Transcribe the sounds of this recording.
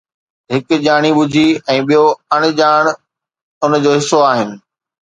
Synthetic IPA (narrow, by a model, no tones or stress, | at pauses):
ɦɪkʄaːɽ̃iɓʊd͡ʑʱiɛ̃ːɓijoɐɽ̃ɪ̆d͡ʑaːɽ̃ | ʊnd͡ʑoːɦɪsːoaːɦɪnɪ̆